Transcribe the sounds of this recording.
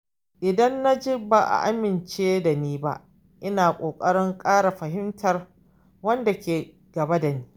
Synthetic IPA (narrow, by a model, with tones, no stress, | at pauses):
ʔɪ˨dɐ˦nːa˦d͡ʒɪ˦baː˨ʔa̰˨ʔa˦mɪ˨nt͡ʃeː˦da˨niː˦ba̰˦ʔ | ʔɪ˦naː˨kʷʼoː˨kʼɐ˦ɽɪ˦ŋkʼaː˦ɽa˨ɸɐ˨ɦɪ˦mtʰɐ˨r | wɐ˦nda˨kʲeː˨ | ɡ̥ɐ˨ba˦da˨niː˦